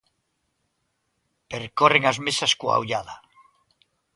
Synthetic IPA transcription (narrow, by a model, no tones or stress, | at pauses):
peɾkoreŋazmesaskwa̰uʎaða